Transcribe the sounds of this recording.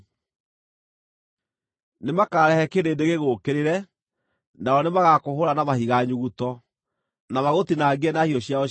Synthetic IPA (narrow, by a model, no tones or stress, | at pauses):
nemakaːɾɛhɛkeɾeːdeɣeɣoːkeɾeɾɛ | naɔnemaɣakoɦoɾanamahiɣaɲuɣutɔ | namaɣotinaɡɛnahiɔɕiaɔ